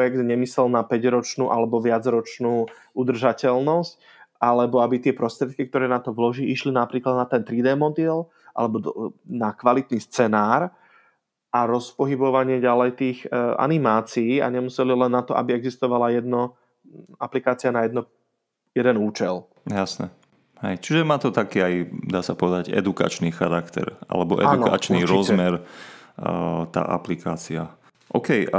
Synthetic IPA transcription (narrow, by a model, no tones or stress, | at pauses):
jɛɡ̚d̪ɲɛmisɛlnapɛɟɾɔt͡ʃnuːʔalɛbɔʋɪad͡zɾɔt͡ʃnuː | ud̪r̩ʒacɛlnɔsc | ʔalɛbɔabit̪ɪɛpɾɔst̪ɾɪɛt̪̚kikt̪ɔɾɛːnat̪ɔʋlɔʒiʔiʃlinapɾiːklad̪nat̪ɛnt̪ɾid̪ɛːmɔd̪iɛl | ʔa̰lɛbɔd̪nakʋalit̪nist͡sɛnaːɾ | ʔaɾɔspɔɦibɔʋaɲɪɛɟalɛjt̪iːxʔa̰nimaːt͡siːa̰ɲɛmusɛlilɛnːat̪ɔʔa̰biɛɡzist̪ɔʋalajɛd̪nɔ | aplikaːt͡siɪanajɛd̪nɔ | jɛd̪ɛnuːt͡ʃɛl | jasnɛ | hɛ̰jt͡ʃiʒɛmaːt̪ɔt̪akiːajd̪aːsapɔʋɛd̪aɟɛ̰d̪uka̰t͡ʃniːxaɾakt̪ɛ̰ɾa̰lɛbɔ̰ʔɛ̰ad̪unka̰t͡ʃniɾɔzmɛɾ | t̪a̰ːʔa̰plikaːt͡sia | ʔɔkɛj